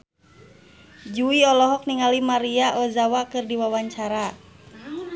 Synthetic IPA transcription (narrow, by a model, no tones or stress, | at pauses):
d͡ʒuiɔlɔɦɔk̚niŋalimaɾiaʔɔzawakɨrdiwawaɲt͡ʃaɾa